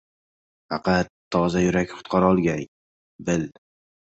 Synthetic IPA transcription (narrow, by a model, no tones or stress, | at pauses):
fɑqʰɑt̪ʰːɒzajʊɾakʲχʊ̥t̪̚qʰɑɾɒlˠɡʲaj | bɪl